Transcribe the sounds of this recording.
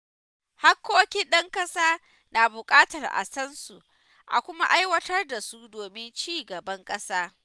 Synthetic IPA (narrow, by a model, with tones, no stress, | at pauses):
ha˦kːoː˦kʲi˦nɗɐ˦ŋkʼɐ˦saː˦ | na˨bʊ˨kʼaː˦tɐ˨rʔa̰˨sɐ˦nsu˨ | ʔa̰˨kʷʊ˦ma˦ʔa˦jwɐ˦tɐ˦rda˨su˦doː˨mɪ˦nt͡ʃiː˦˨ɡɐ˨bɐ˦ŋkʼɐ˦saː˦